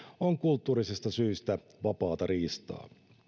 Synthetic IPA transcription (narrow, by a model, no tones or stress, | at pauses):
oŋkult̪ːuːɾisist̪ɑsyːst̪æ | ʋɑpɑːt̪ɑɾiːst̪ɑ̰ː